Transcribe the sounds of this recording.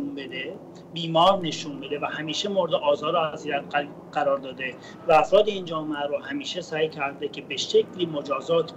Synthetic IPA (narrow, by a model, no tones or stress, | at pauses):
nbed̪e | biːmɒːɾne̞ʃunbe̞d̪e̞væhæmiːʃemoɾed̪eʔɒːzɒːɾoæziːɾæt̪ | ɢ̥æɾɒːɾd̪ɒːd̪e̞ | vææfɾɒːd̪eiːnd͡ʒɒːmeæɾohæmiːʃe̞sæːjcʰæɾd̪e̞cʰe̞be̞ʃe̞cʰliːmod͡ʒɒːzɒːt̪ʰ